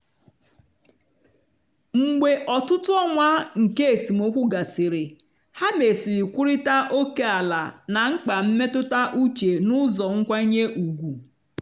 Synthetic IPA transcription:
ŋ͡m̩˨ɡ͡be˨ʔɔ˨tʊ˦tʊ˦ɔ˦ŋʷa˦ŋ̩˨ke˦e˨si˨mo˦kʷu˦ɡa˨sɪ˨ɾɪ˨ | ha˦me˨si˨ɾi˨kʷu˦ɾi˦ta˦ʔo˦ke˦a˨la̰˨na˨ŋ̩˦k͡pa˨m̩˦me˦tʊ˦ta˦ʔu˦t͡ʃe˨nʊ˦zɔ˨ŋ̩˦kʷa˦i˦ɲe˦ʔu˨ɡʷu˨

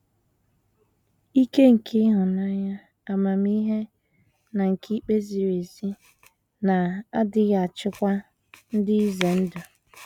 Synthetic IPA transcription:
i˦ke˦ŋ̩˨kʰɪ˦ɦʊ˨na˦ɲa˦ | a˨ma˨m˦i˦ɦe˦ | na˨ŋ̩˨kʰi˦k͡pe˦zi˨ɾe˨zi˦ | na˨a˦dɪ˦ɣa˨t͡ʃɪ˦kʷa˦ | n̩˦dɪ˦i˦ze˨n̩˦dʊ˨

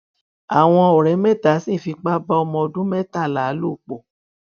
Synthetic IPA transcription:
a˨w̃ɔ̃˧o˨ɾɛ˨˦mɛ˦ta˨˦sĩ˦˨fi˧k͡pa˦ba˦ɔ˧mɔ̃˧dũ˦mɛ˦ta˦˨la˨˦lu˦˨k͡po˨

